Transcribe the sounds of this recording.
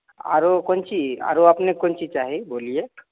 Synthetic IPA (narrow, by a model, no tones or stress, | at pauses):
a̰ɾokɔnt͡ʃia̰ɾoapnekont͡ʃit͡ʃaːɦiboːlie